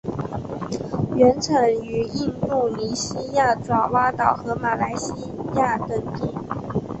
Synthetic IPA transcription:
ɥɛ˧˥nʈ͡ʂʰə˧˥ŋy˧˥i˥˧nt̪u˥˩li˧˥ɕi˥ja˥˩t͡swɑ˨˩wa˥t̪ɑ˨˩ʊxɤ˧˥ma˨˩la˧˥ɪɕi˥ja˥˩t̪ə˥˩ŋt̪i˥˩

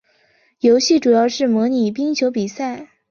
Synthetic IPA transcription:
jo˧˥ʊɕi˥˩ʈ͡ʂu˨˩jɑ˥˧ʊʂɻ̩˥˩mwɔ˧˥ni˨˩pi˥ŋt͡ɕʰjo˧˥ʊpi˨˩sa˥˩ɪ

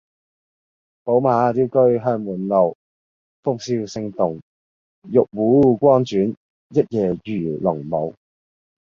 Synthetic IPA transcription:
po˨˥wmaː˨˧t͡siː˥wkɵ˥ɥɦœː˧ŋmuː˨˩nlo˨˩w | fʊ˥k̚siː˧wsɪ˧ŋt̪ʊ˨ŋ | jʊ˨k̚wuː˨˥˨kʷɔː˥nt͡ʃyː˨˥n | jɐ˥t̚jɛː˨˩jyː˨˩lʊ˨˩ŋmo˨˧w

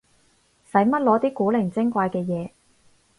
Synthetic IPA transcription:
sɐ˨˥jmɐ˥t̚lɔː˨˥t̪iː˥kuː˨˥lɪ˨˩ŋt͡sɪ˥ŋkʷaː˧jkɛː˧jɛː˨˧

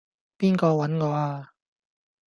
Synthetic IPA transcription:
piː˥nkɔː˧wɐ˨˦˥nŋɔː˨˥aː˧

